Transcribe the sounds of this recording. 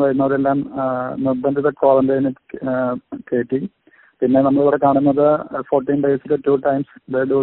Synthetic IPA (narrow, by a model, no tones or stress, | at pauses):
ʋɐjɾunːɐoɾe̞lːaːmnɐb̪ːɐndiðɐkoːlɐndenɨ | ke̞ːʈːi | pinːe̞nɐmːɐɭiʋiɽekaːɳunːɐðɨfoːrʈːiːnɖe̞ːsiletːuːʈːɐjmsd̪eːɖu